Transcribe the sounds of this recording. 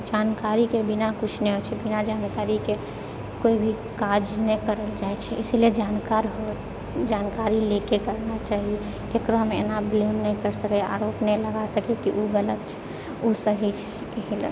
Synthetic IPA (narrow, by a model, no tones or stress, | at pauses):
d͡ʒankaɾikebinakut͡ʃʰneɦot͡ʃʰɛbinad͡ʒankaɾike | koibʱi | kad͡ʒnɛkəɾəld͡ʒat͡ʃʰɛʔisilied͡ʒankaɾɦo | d͡ʒankaɾilekekəɾnat͡ʃaːɦie | k̪ekɾoɦəmḛnablonːɛjkəɾsəkɛa̰ɾopnɛləɡasəkjokiʔuɡələt̪t͡ʃʰɛ̥ | usəɦit͡ʃʰɛ̥ | ɦilə̰